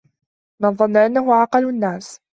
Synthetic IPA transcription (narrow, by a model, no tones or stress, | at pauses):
mɪnðˤɑnːaʔanːaɦʊʕɑqɑlanːaːs